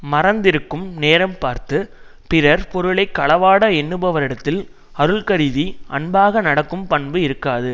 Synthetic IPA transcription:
mɐrɐnd̪ɪɾɯkːɯmneːɾɐmpaːɾt̪ɯpɪɾɐɾpɔɾɯɭɐɪkːɐɭɐʋaːɽɐɛnːɯbɐʋɐɾɪɽɐt̪ːɪl | ɐɾɯɭkɐɾɪðiʔɐ̰ɳbaːɣɐnɐɽɐkːɯmpɐɳbɯɪɾɯkːaːðɯ

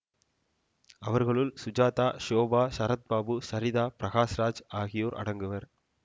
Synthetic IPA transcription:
ɐʋɐɾɣɐɭɯlsʊd͡ʒaːt̪aːʃoːbaːsɐɾɐt̪̚baːbɯsɐɾɪðaːpɪɾɐɣaːsɾaːd͡ʒaːɣɪjoːɾʔɐ̰ɽɐŋɡɯʋɐɾ

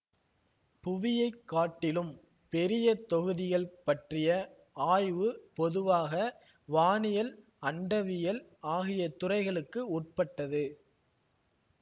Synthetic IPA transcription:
pʊʋɪjɐɪkːaːʈːɪlɯm | pɛɾɪjɐt̪ːɔɣɯðɪɣɐɭpɐʈrɪjɐ | aːjʋɯpɔðɯʋaːɣɐ | ʋaːnɪjɐl | ɐɳɖɐʋɪjɐlaːɣɪjɐt̪ʊrɐɪɣɐɭɯkːɯuːʈ̚pɐʈːɐðɯ

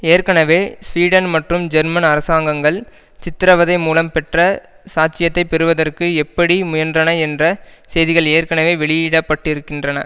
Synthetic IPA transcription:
eːɾkɐnɐʋeːsʋiːɽɐnmɐʈrɯmd͡ʒɐɾmɐnɐɾɐsaːŋɡɐŋɡɐɭ | t͡ʃɪt̪ːɪɾɐʋɐðɐɪmuːlɐmpɛʈrɐ | saːt͡ʃɪjɐt̪ːɐɪpɛɾɯʋɐðɐrkɯɛpːɐɽimʊjɐndrɐnɐɛndrɐsɛjðɪɣɐɭeːɾkɐɳɐʋeːʋɛɭɪjiːɽɐpːɐʈːɪɾɯkːɪndrɐnɐ̰

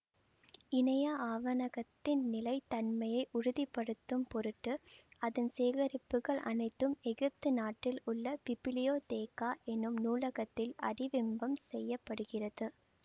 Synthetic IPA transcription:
ɪnɐjaːʔaːʋɐnɐɣɐt̪ːɪnnɪlɐɪt̪ɐnmɐjɐɪʔʊɾʊðɪpːɐɽɯt̪ːɯmpɔɾɯʈːɯɐðɐnseːɣɐɾɪpːɯɣɐɭʔɐ̰nɐɪt̪ːɯmɛɣɪp̚t̪ɯnaːʈːɪlʊɭːɐpɪpɪlɪjoːt̪eːkaːʔɛnːɯmnuːlɐɣɐt̪ːɪlɐ̰ɽɪʋɪmbɐmsɛjːɐpːɐɽɯɣɪrɐðɯ

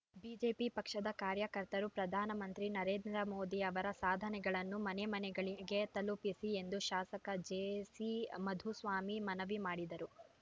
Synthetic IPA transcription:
biːd͡ʒe̞ːpipɐkʂɐd̪ɐkaːɾjɐkɐɾt̪ɐɾupɾɐd̪ʱaːnɐmɐnt̪ɾinɐɾeːnd̪ɾɐmoːd̪iɐʋɐɾɐsaːd̪ʱɐnɛɡɐɭɐnːumɐnemɐnɛɡɐɭiɡe̞t̪ɐlupisie̞nd̪uʃaːsɐkɐd͡ʒeːsimɐd̪ʱusʋaːmimɐnɐʋimaːɽid̪ɐɾu

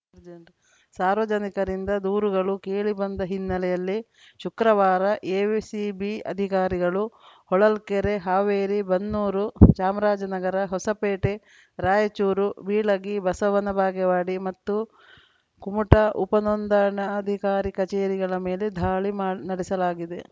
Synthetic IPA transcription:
d͡ʒɐɳ | saːɾʋɐd͡ʒɐnikɐɾind̪ɐd̪uːɾuɡɐɭukeːɭibɐnd̪ɐɦinːɐlɛjɐlːi | ʃukɾɐʋaːɾɐʔeːʋisibiɐ̰d̪ʱikaːɾiɡɐɭuhɔɭɐlkeɾeɦaːʋeːɾibɐnːuːɾut͡ʃaːmɾaːd͡ʒɐnɐɡɐɾɐɦɔsɐpeːʈe | ɾaːjɐt͡ʃuːɾuʋiːɭɐɡibɐsɐʋɐnɐbʱaːɡɛʋaːɽimɐt̪ːu | kumuʈɐʔupɐnɔnd̪ɐɾɐɳɐːd̪ʱikaːɾikɐt͡ʃeːɾiɡɐɭɐmeːled̪ʱaːɭinɐɽisɐlaːɡid̪e̞

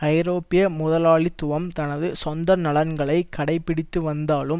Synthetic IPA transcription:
ɐɪɾoːpɪjɐmʊðɐlaːɭit̪ːʊʋɐmt̪ɐnɐðɯsɔnd̪ɐɾnɐɭɐnɡɐɭɐɪkːɐɽɐɪpːɪɽɪt̪ːɯʋɐnd̪aːlɯm

